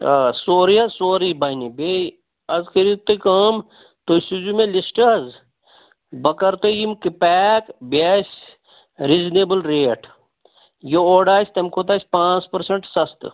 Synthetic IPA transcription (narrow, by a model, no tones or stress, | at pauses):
soːɾijɐsoːɾibɐjnibe | ɐzkɐɾit̪ːekɐm | t̪osud͡ʒumẽlisʈɐz | bɐkɐɾt̪ejimkipɛːkbʲaːsʲ | ɾiːzneːbəlɾeːʈ | jooːɖaːsʲt̪ɐmkʰot̪̬aːsʲpãːt͡spɐɾseɳʈsɐst̪ɨ